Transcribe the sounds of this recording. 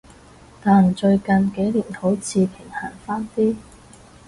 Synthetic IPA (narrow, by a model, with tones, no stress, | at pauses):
t̪aː˨˩nt͡ʃɵ˧ɥkɐ˨nke˨˥jliː˨˩nho˨˥wt͡sʰiː˧pʰɪ˨˩ŋhaː˨˩nfaː˥nt̪iː˥